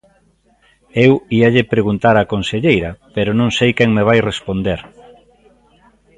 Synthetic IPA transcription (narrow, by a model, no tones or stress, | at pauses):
ewiɐʎɪpɾeɣunt̪aɾakonseʎejɾɐpeɾonõŋsejkɛŋmeβ̞ajrespond̪eɾ